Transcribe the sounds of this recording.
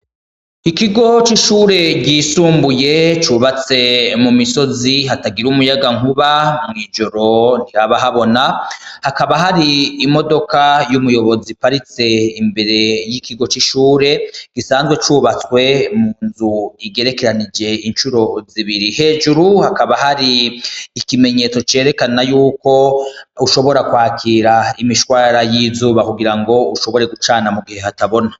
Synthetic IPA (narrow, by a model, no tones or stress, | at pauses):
ikiɡo̞t͡ʃiʃuːɾe̞ɡɡisuːmbuje̞t͡ʃuβat͡se̞mumisoziɦataɡiɾumujaɡaŋuβamŋiːd͡ʒo̞ɾo̞n̥iɾaβaɦaβo̞nahakaβaɦaɾiːmo̞do̞kajumujo̞βo̞zipaɾit͡se̞imbe̞ɾe̞jikʰiɡo̞t͡ʃiʃuːɾe̞ɡ̥isaːnzɡwe̞t͡ʃuːβat͡swe̞muːnzuiɡe̞ɾe̞ke̞ɾanid͡ʒe̞inʃuɾo̞ziβiɾihe̞ːd͡ʒuɾuhakaβahaɾiː | kime̞ɲe̞t͡so̞t͡ʃe̞ːɾe̞kanajuːko̞uʃo̞βo̞ɾakwaːkʰiːɾaimiʃkwaːɾajiːzuːβakuɡiɾaŋɡo̞uʃo̞βo̞ɾe̞ɡut͡ʃaːnamuɡihe̞hataβo̞na